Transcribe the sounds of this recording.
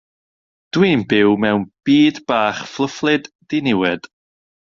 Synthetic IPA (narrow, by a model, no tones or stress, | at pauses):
d̥wiːmbɪwmɛwnb̥iːdb̥aːχflˠəflˠɨd | dinɪwɛd̥